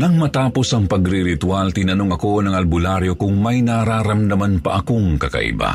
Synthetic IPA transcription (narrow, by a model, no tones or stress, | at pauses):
nɐŋmɐt̪aːpo̞sɐŋpɐɡɾɪɾɪt̪walt̪ɪnɐnoŋɐko̞nɐŋɐlbʊlaɾjo̞kʊŋmɐjnaɾaːɾɐmd̪ɐmanpɐ̰ʔɐkoŋkɐkɐ̰ʔɪ̰ba̰